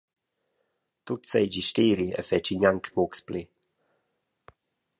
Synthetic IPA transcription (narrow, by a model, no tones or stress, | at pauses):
t̪ut̪sɛjd͡ʒiʃtiːɾiə̰fɛt͡ʃiɲaŋkmukspli